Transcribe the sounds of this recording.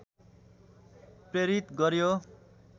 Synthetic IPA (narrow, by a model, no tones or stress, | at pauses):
preɾit̪ɡʌɾjo